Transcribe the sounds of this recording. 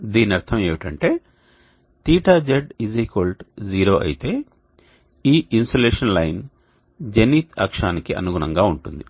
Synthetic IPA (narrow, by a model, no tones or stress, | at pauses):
d̪iːnɐɾt̪ʰɐme̞ːʋiʈɐɳʈe̞ː | t̪iːʈaːd͡ʒɐɖiziːkolʈd͡ʒiːɾo̞ːʔɐ̰jit̪e̞ː | iːʔinsoleːʂɐnlɐjn | d͡ʒeniːt̪ʰɐ̰kʂaːnikiʔɐ̰nuɡunɐŋɡaːuɳʈund̪i